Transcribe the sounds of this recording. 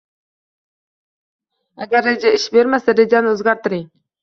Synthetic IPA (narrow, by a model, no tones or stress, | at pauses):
aɡaɾːed͡ʒaɪʃbeɾmasaɾed͡ʒɑnɪozɡɑɾt̪əɾi